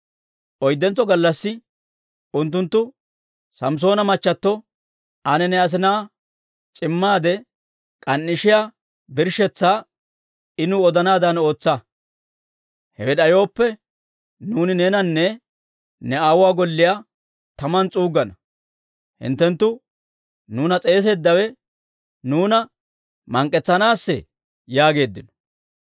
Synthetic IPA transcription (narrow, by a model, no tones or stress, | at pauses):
ʔɔjd̪ːɛnt͡sːɔɡɐlːɐsːɪ | ʊnt̪ːʊnt̪ːʊ | sɐms̬o̞ːnɐmɐt͡ʃːɐt̪ːɔ | ɐnɛnɛɐs̬ɪnaː | t͡ʃʼɪmːaːd̪ɛ | kʼɐnːɪʃɪja | bɪɾʃɛt͡sːaː | ɪnʊɔd̪ɐnaːd̪ɐno̞ːt͡sːɐ | hɛwɛɗɐjo̞ːpːɛ | nuːnɪneːnɐnːɛ | nɛaːwʊaːɡɔlːɪja | t̪ɐmɐnt͡sʼuːɡɐnɐ | hɪ̰nt̪ːɛnt̪ːʊ | nuːnɐt͡sʼe̞ːs̬e̞ːd̪ːɐwɛ | nuːnɐ | mɐŋkʼːɛt͡sːɐnaːsːɛ̰ | jaːɡe̞ːd̪ːɪnɔ̥